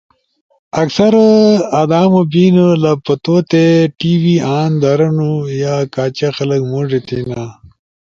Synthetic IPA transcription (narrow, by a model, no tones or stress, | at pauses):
ɐksɐɾad̪aːmobiːnulapɐt̪ot̪eʈiwiaːnd̪ɐɾɐnujakaːt͡ɕaxɐləkmoʐet̪ʰina